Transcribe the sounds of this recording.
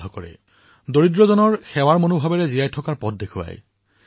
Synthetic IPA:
ɔkɔɹɛ̰ | doɹidɹɔzɔnɔɹxɛwaɹmonubʱabɛɹɛzijajtʰɔkaɹpɔt̚dexʊa̰j

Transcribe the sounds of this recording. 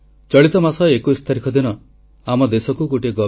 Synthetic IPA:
t͡ʃɔɭit̪ɔmasɔekuist̪ʰaɾikʰɔd̪inɔ | amɔd̪esɔkuɡoʈeɡɔ

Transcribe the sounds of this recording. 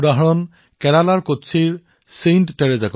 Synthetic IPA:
daɦɹɔn | kɛɹalaɹkotsʰiɹ | sentːɛɹɛzakɔ

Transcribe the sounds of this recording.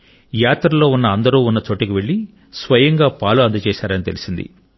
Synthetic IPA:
jaːt̪ɾɐlo̞ːunːɐːnd̪ɐɾuːunːɐt͡ʃo̞ːʈːikiʋe̞ɭːi | sʋɐjɐŋɡaːpaːluɐnd̪ɐt͡ʃɛːʃaːɾɐnit̪e̞̰lisind̪ḭ

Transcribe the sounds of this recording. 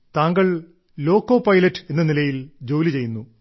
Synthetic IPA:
t̪aːŋɡɐɭ | lo̞ːkːo̞ːpɐjlɐtːɨe̞nːɐnilɐjild͡ʑo̞ːlit͡ɕe̞jːunːu

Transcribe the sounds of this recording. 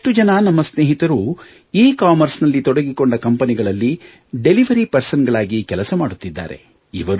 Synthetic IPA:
eʈːud͡ʒɐnɐnɐmːɐsneːɦit̪ɐɾu | iːkaːmɐɾsnɐlːit̪ɔɽɐɡiko̞ɳɖɐkɐmpɐniɡɐɭɐlːi | ɖe̞liʋɐɾipɐɾsɐnɡɐɭaːɡikɛlɐsɐmaːɽut̪ːid̪ːa̰ːɾe̞̰ | iʋɐɾu

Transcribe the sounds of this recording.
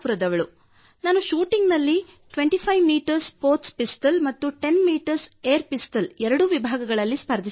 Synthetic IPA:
puɾɐd̪ɐʋɐɭu | naːnuʃuːʈiŋɡnɐlːi | ʈʋe̞ɳʈipʰɐjʋmiːʈɐɾspo̞ːɾt̪spisʈɐlmɐt̪ːuʈe̞nmiːʈɐɾseːɾpisʈɐlɛɾɐɽuʋibʱaːɡɐɡɐɭɐlːispɐɾd̪ʱis

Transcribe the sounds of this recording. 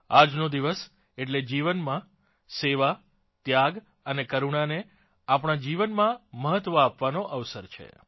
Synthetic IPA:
ad͡ʒnod̪iʋəs | eʈ̬led͡ʒiʋənmã | seʋa | t̪jaɡ | ənekəɾuɳane | apɳ̃ad͡ʒiʋənmãməɦət̪ʋəapʋanoʔəʋsəɾt͡ʃʰḛ

